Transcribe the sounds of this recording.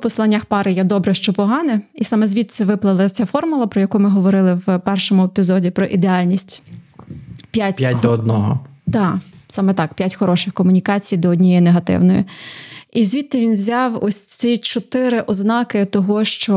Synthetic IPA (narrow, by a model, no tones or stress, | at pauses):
pɔslˠɑnʲːaxpɑɾɪjɛd̪ɔbɾɛʃt͡ʃɔpɔɦɑnɛisɑmɛzʲʋʲit̪sʲɛʋɪplˠɪlˠɐt͡sʲafɔrmʊlˠɐpɾɔjɐkumɪɦɔʋɔɾɪlˠɪwpɛrʃɔmʊepʲizɔdʲipɾɔʔid̪eɑlʲnʲisʲtʲ | pʲjatʲat̚ʲd̪ɔɔd̪̚nɔɦɔ̰d̪ɑsɑmɛt̪ɑkpʲjatʲxɔɾɔʃɪxkɔmʊnʲikɑt͡sʲijd̪ɔɔdʲnʲijɛjneɦɐt̪ɪ̰wnɔjḭ | izʲʋʲit̪ːɐʋʲinwzʲɑwɔsʲt͡s̪ʲit͡ʃɔt̪ɪɾɪʔɔznɑkɪt̪ɔɦɔʃt͡ʃɔ